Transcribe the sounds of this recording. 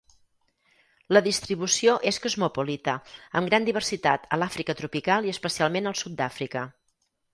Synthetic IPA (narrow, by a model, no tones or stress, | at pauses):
ləðist̪ɾiβ̞usioʔeskozmupolit̪əəmɡɾand̪iβ̞ərsit̪at̪əlafɾikət̪ɾupikalˠiəspəsialˠmenəlˠsut̪̚d̪afɾikə